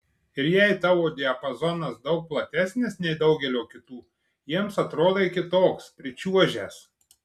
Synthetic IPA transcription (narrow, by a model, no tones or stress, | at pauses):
ɪɾjɛɪt̪ɑːʋoːd̪ʲɛɐpɐzɔnɐsd̪ɒʊk̚plˠɐt̪ʲæsʲnʲɪsnʲɛɪd̪ɒʊɡʲɛlʲoːkʲɪt̪uː | jiɛmsɐt̪ɾoːd̪ɐɪkʲɪt̪oːkspʲɾʲɪt͡ʃʲuɔʒʲæːs